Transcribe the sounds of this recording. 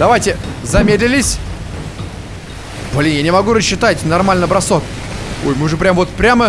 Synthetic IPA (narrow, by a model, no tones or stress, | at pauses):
d̪̥ɐvajtʲɪzɐmʲed̪ʲlʲɪlʲɪsʲ | bɐlʲinʲjanʲɪmɐɡuɾəɕːɪt̪atʲnɐrmalʲnəbɾɐsok | o̰jmɨʐɨpɾʲamvot̪pɾʲamə